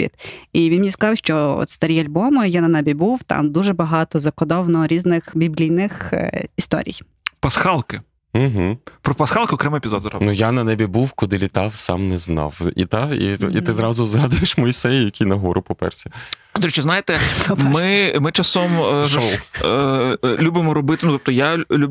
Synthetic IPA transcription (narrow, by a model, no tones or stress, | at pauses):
ḭt̪iʋʲinmʲnʲiskɐzɑwʃt͡ʃɔɔ̰t̪st̪ɐɾʲijɐlʲbɔmjanɐnɛbʲibuwt̪ɑ̰md̪uʒɛbɐɦɑt̪ɔzɐkɔd̪ɔwnɔɾʲiznɪxbʲiblʲijnɪxist̪ɔ̰ɾʲḭj | pɐsxɑlˠkɪ | m̩ɦ̩pɾɔpɐsxɑlˠkɪɔkɾɛmɪepʲɪzɔd̪zɾɐ̰nujanɐnɛbʲibuwkʊd̪ɪlʲit̪ɑwsɑ̰mnɛznɑ̰wḭt̪ɑḭḭt̪ɪzɾɑzʊzɦɑd̪ʊjeʃmɔjisɛjʊjɐkʲʰijnɐɦɔɾʔʊpɔpɛ̰rsʲɐ̥ | d̪ɾit͡ʃːɛznajɪt̪ɛmɪmɪt͡ʃɐsɔmʒɔw | lʲubɪmɔɾɔbɪt̪ɪnut̪ɔp̚t̪ɔjalʲu